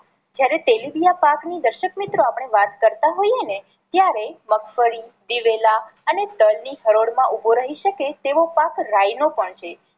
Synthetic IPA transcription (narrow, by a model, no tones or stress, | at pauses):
d͡ʒjaɾet̪elibijapaknid̪əɾʃəkmit̪ɾoapəɳ̃eʋat̪kəɾt̪aɦojene | t̪jaɾeməkfəɭid̪iʋelaəned̪əlniɦəɾoɽmãʔuboɾəɦiʃəket̪eʋopakɾajnopəɳt͡ʃʰe